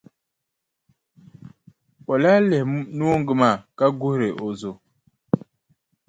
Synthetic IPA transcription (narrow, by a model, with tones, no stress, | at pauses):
o˨la˦lɛ˨hnu˦o˦ŋ˦ɡɨ˨ma˦˨ka˦ɡʊ˦hɾe˨ʔo˨zo˨